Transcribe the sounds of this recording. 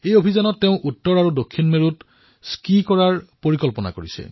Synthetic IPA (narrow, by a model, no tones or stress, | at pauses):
ejobʱizanɔtːeʊ̃ʔutːɔɹaɹudokʰːinmeɹut | skikɔɹaɹpoɹikɔlpɔna̰koɹisɛ̰